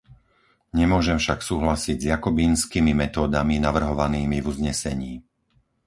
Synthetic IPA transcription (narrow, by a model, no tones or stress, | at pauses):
ɲɛmʊɔʒɛmfʃaksuːɦlasiɟzjakɔbiːnskiːmimɛt̪ɔːd̪aminaʋr̩ɦɔʋaniːmivuzɲɛsɛɲiː